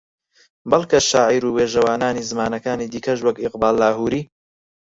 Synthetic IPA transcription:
bɐlˠkɐʃaːʕiːɾuːweːʒɐwaːnaːnizɨmaːnɐkaːniːd̪iːkɐʃwɐkɪqbaːlːaːɦuːɾiː

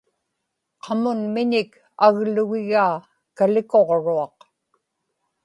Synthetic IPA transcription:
qʰɑmʊnmɪɲɪk | aɣlʊɣɪɣaː | kalɪko̞ʁɻuɑq

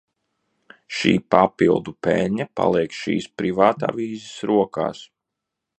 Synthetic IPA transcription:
ʃḭːpapilˠd̪upɛlʲɲapa̰lˠiɛksʃḭːspɾivaːt̪a̰ːviːzɪsɾuɔka̰ːs

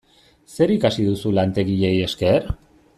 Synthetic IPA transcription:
se̞ɾikasiðusulant̪e̞ɣiʎe̞je̞ske̞ɾ

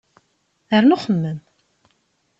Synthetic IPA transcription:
əɾnʊχəmːən

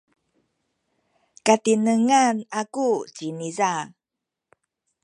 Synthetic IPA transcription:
katinəŋanakut͡ɕiniza

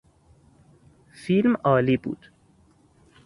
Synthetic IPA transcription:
filmɒːliːbṵːd̪̥

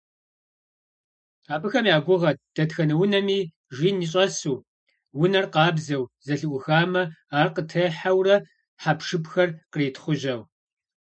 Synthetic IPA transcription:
aːpʼɨxɐmjaːɡʷʊʁɐt̚d̥ɐtxɐnɐwʊnɐmiː | ʒiːniːɕʼɐsuː | wʊnɐrqɑːbzɐwzɐɬɨʔʷʊxaːmɐaːrqətʰɐħawrɐ | ħapʂɨpxɐrqəreːtʰχʷʊʑɐw

